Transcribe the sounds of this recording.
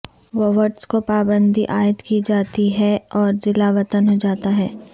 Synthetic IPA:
ʋoʋɐʈskopaːbə̃nd̪ʱiʔaːjət̪kid͡ʒaːt̪iɦɛɔːɾd͡ʒɪlaʋɐt̪ənɦod͡ʒaːt̪aɦɛː

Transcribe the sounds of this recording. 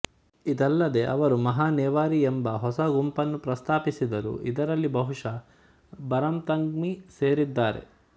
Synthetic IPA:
id̪ɐlːɐd̪e̞ʔɐ̰ʋɐɾumɐɦaːnɛːʋaːɾiembɐɦɔsɐɡumpɐnːupɾɐst̪ʰaːpisid̪ɐɾṵːʔḭd̪ɐɾɐlːibɐɦuʂɐ | bɐɾɐmt̪ɐŋɡmise̞ːɾid̪ːaːɾe̞̰

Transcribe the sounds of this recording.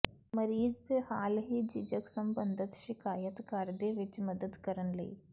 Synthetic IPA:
mɐɾiːd͡ʒt̪ehaːlɦid͡ʒɪd͡ʒəksɐ̃mbə̃nd̪ɪt̪ʃɪkaːjət̪kaːɾd̪eʋɪt͡ʃmɐd̪əd̪kɐɾənlḛi

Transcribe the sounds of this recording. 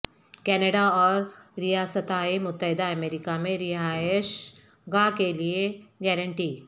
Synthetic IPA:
kɛːnəɖaɔːɾɾɪjaːsət̪aːimʊt̪ːəɦɪd̪aɐmeːɾɪkamẽɾɪɦaːʃ | ɡakelieɡɛːɾə̃ɳʈiː

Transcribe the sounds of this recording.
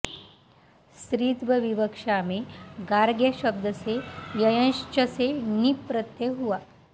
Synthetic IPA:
sɾiːt̪ʋəʋiʋəkʂameɡaɾɡjeɕəb̚d̪əsejəjə̃ʃt͡ʃəsenipːɾət̪jeɦuʋa

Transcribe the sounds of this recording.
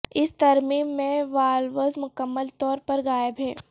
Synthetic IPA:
ɪst̪ɐɾmiːmːẽʋaːlʋəzmʊkəmːəlt̪ɔːɾpɐɾɡaːɪəbɦɛː

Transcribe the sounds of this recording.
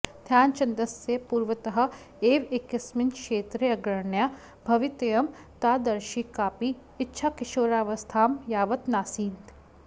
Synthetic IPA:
d̪ʱjaːnt͡ʃɐ̃nd̪ɐsepuːɾʋɐt̪ɐɦɐ̆ | eːʋekɐsmɪnkʃeːt̪ɾeɐɡɾɐɾɳja | bʱɐʋɪt̪ejɐm | t̪aːd̪ɐɾʃikaːpi | ɪtːʃʰakɪʃoːɾaːʋɐst̪ʰaːmjaːʋɐt̪naːsiːnt̪

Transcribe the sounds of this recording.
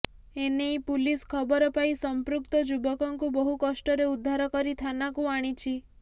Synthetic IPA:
eneipuliskʰɔbɔɾɔpaisɔmpɾukt̪ɔd͡ʒubɔkɔŋkubɔɦukɔʃʈɔɾeud̪ʱːaɾɔkɔɾit̪ʰanakuaɽ̃it͡ʃʰi

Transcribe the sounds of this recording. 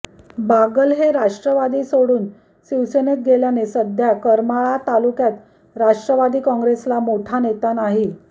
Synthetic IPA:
baɡəlɦeɾaʂʈɾəʋad̪iːsoɽuːn | ɕiʋsenet̪̚ɡeljanesəd̪ʱjakəɾmaɭat̪alukjat̪ | ɾaʂʈɾəʋad̪iːkɔ̃ŋɡɾeslamoʈʰanet̪anaɦi

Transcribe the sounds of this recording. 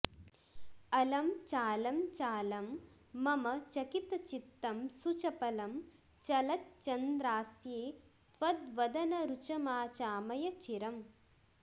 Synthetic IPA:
ɐlɐmt͡ʃaːlɐmt͡ʃaːlɐmː | ɐmɐt͡ʃɐkit̪ɐt͡ʃit̪ːɐmsut͡ʃɐpɐlɐm | t͡ʃɐlɐt̪̚t͡ʃɐnd̪ɾaːsjeː | t̪ʋɐd̪ʋɐd̪ɐnɐɾut͡ʃɐmaːt͡ʃaːmɐjɐt͡ʃiɾɐm

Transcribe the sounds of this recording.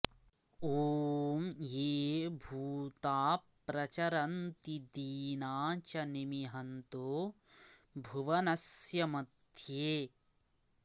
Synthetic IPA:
oːmjeːbʱuːt̪aːpɾɐt͡ʃɐɾɐnt̪id̪iːnaːt͡ʃɐnimiɦɐnt̪oː | bʱuʋɐnɐsjɐmɐd̪jeː

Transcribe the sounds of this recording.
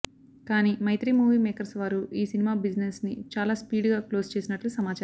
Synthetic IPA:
kaːniːmɐjt̪ɾimuːʋiːmɛːkɐɾsʋaːɾuʔiːsinimaːbid͡ʒnesnḭt͡ʃaːlaːspiːɖɡaːklo̞ːst͡ʃeːsinɐʈlusɐmaːt͡ʃaː

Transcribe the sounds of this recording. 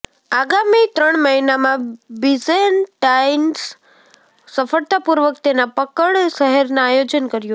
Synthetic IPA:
aɡamit̪ɾəɳməɦinamãbizenʈains | səfəɭt̪apuɾʋək̚t̪enapəkəɭʃəɦɛɾnaajod͡ʒənkəɾjũ

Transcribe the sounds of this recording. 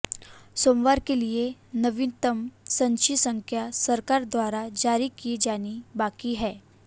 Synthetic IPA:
soːmʋaɾkelienəʋint̪əmsə̃nʃisəŋkʰjasəɾkaɾd̪ʋaɾad͡ʒaɾikied͡ʒanibakiɦɛː

